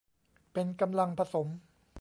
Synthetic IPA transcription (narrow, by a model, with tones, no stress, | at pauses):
pe˧nka˧mla˧ŋpʰa˧so˩˦m